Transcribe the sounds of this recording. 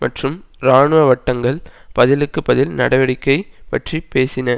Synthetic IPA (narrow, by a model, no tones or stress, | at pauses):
mʔɐ̰ʈrɯmɾaːɳɯʋɐʋɐʈːɐŋɡɐɭpɐðɪlɯkːɯpɐðɪlnɐ̰ɽɐʋɐɽɪkːɐɪpɐʈripeːsɪnɐ